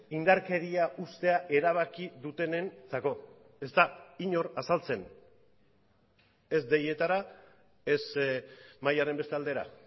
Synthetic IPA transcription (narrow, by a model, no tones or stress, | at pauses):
ind̪aɾke̞ɾiaʔust̪e̞aʔe̞ɾaβ̞akiðut̪e̞ne̞nt͡sako̞ | e̞zt̪aiɲo̞ɾasalt͡se̞n | e̞zd̪e̞je̞t̪aɾa | e̞s | majaɾe̞mbe̞st̪e̞ald̪e̞ɾa̰